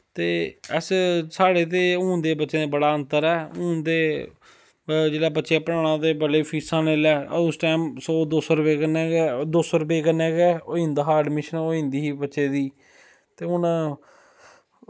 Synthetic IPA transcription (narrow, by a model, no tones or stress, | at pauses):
t̪eːəssaːɽeːt̪̬eːũːnd̪eːbətːʃeːd̪eːbəɽaːənt̪əɾɛːũːnd̪eː | d͡ʒeːɽaːbətːʃjaːpəɽãːɽ̃ãːd̪eːbəleːpʰiːsãːneːlɛːʊsʈaːmsoːd̪osɾbeːkənɛːɡɛd̪oːsɾəbeːkənːẽːɡɛːoːĩnd̪aːɦaːɖmɪʃənːoːĩːnd̪iːɦiːbətːʃeːd̪iː | t̪eːʊnãː